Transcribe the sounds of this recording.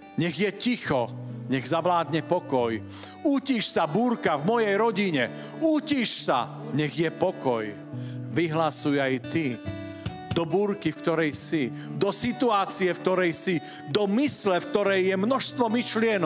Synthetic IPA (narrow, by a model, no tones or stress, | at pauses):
ɲɛɣjɛcixɔɲɛɣzaʋlaːd̪ɲɛpɔkɔj | uːciʃsabuːɾkavmɔjɛjɾɔɟiɲɛ | uːciʃsa̰ | ɲɛɣjɛpɔkɔj | ʋiɦlasujajt̪i | d̪ɔbuːɾkifkt̪ɔɾɛjsi | d̪ɔsit̪uaːt͡siɛfk̚t̪ɔɾɛjsi | d̪ɔmislɛfk̚t̪ɔɾɛjːɛmnɔʃst̪ʋɔmiʃlɪɛnɔ